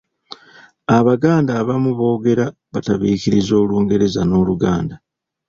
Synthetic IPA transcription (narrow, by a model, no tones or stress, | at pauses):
aβaɡaːndaːβamuβo̞ːɡe̞ɾa | βataβiːkiɾizo̞ːluːŋɡe̞ɾe̞zano̞ːluɡaːnda